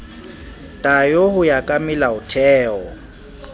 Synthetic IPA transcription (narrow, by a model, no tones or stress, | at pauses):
tʼajohʊjakʼamɪlaʊtʰɛːɔ